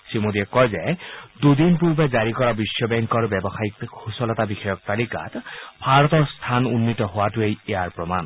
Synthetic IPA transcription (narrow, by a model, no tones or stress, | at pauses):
simodiɛkɔjzɛdud̪inpuɹbɛzaɹikɔɹabisjɔbɛŋkɔɹbɛbɔxajikʰusɔlɔtabixɔjɔk̚t̪alika̰tbʱaɹɔt̪ɔɹst̪ʰanunːitɔɦowatuejejaɹpɹɔman